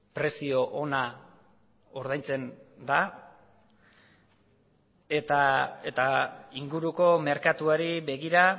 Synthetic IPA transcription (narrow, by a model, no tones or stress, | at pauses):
pɾe̞sio̞ʔona | oɾð̞ajnt͡se̞nd̪a | et̪ae̞t̪aiŋɡuɾuko̞me̞ɾkat̪uaɾiβe̞ɣiɾa